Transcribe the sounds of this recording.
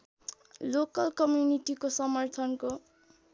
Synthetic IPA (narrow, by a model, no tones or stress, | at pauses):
lokʌlkʌmjuniʈikosʌmʌrt̪ʰʌnko